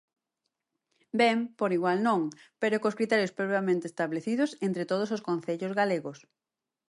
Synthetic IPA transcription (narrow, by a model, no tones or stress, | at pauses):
bɛmpoɾiɣwalnõŋpeɾokoskɾit̪ɛɾjospɾopɾjamẽnt̪eːst̪aβleθiðʊsent̪ɾet̪oð̞ʊsoskon̟θeʎozɣaleɣos